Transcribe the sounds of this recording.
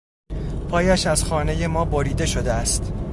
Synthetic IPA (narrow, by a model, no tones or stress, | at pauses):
pʰɒːjæʃæz̥xɒːne̞je̞mɒːboɾiːd̪e̞ʃo̞d̪eæst̪